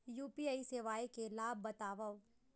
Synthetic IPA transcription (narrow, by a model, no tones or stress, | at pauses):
juːpiaːiseːʋaːikelaːb̚ːɐt̪aːʋə